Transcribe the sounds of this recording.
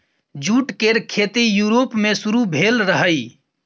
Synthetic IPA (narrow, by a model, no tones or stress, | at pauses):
d͡ʒuːʈkeɾkʰet̪ijuɾoːpmẽsʊɾubʱeːlɾəɦəi